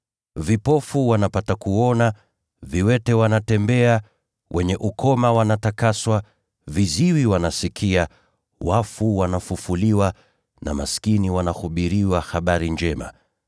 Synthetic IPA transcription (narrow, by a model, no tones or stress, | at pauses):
vipɔfuwanapatakuɔna | viwɛtɛwanatɛmbɛa | wʔɛɲɛʔukʰɔmawanatakaswa | viziwiwanasikʰia | wafuwanafufuliwa | na̰maskiniwanahuɓiɾiwahaɓaɾind͡ʒɛma̰